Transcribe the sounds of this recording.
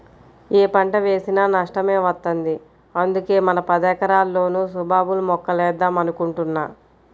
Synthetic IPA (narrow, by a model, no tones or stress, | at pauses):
eːpɐɳʈɐʋe̞ːsinaːnɐʂʈɐme̞ːʋɐt̪ːɐnd̪i | ɐnd̪uke̞ːmɐnɐpɐd̪ɛːkɐɾaːlːo̞ːnuːsubʱaːbulumɔkːɐlɛːd̪aːmɐnukuɳʈunːaː